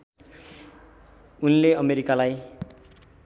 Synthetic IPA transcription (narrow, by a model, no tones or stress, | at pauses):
unleʌmeɾikalaj